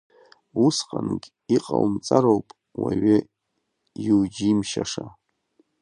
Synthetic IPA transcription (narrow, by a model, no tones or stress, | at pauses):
usqʼanɨɡʲ | iqʼawmt͡sʼaɾowpʼ | waɥe | juwd͡ʒimʃaʂa